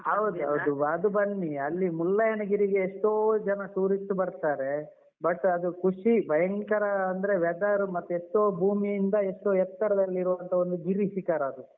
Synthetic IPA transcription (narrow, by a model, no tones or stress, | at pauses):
ɦɐwd̪uɦɐwd̪uɐd̪ubɐɳːiɐlːimulːɐjɐnɐɡiɾiɡe̞ːʂʈoːd͡ʒɐnɐʈuːɾisʈbɐɾt̪aːɾe̞ | bɐʈːɐd̪ukʰuʂibɐjɐŋkɐɾɐɐnd̪ɐɾe̞ʋɛd̪aɾumɐt̪ːueʂʈoːbʱuːmijind̪ɐeʂʈoːɛt̪ːɐɾɐd̪ɐlːiiɾuʋɐnt̪ʰɐo̞nd̪uɡiɾiʃikaːɾɐːd̪u